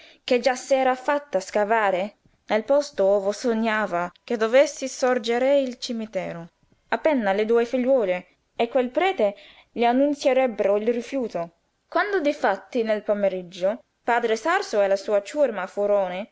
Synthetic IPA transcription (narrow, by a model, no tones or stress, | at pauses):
ked͡ʒasːɛːɾafat̪ːaskavaːɾe | nelpɔst̪oːvosoɲːaːvak̟ed̪ovesːisɔrd͡ʒeɾeilt͡ʃimit̪ɛːɾo | apːɛnːaled̪uːefiʎːɔːleː | kːwelpɾɛːt̪e | ʎianːunt̪sjeɾɛbːeɾoilrifjuːt̪o | kwand̪od̪ifat̪ːinelpameɾid͡ʒːo | paːd̪ɾesarsoɛlasuːat͡ʃurmafuɾoːne